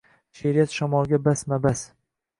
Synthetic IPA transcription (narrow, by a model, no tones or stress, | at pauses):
ʃeɾijat̪ʃamɒlˠɡʲabasmabas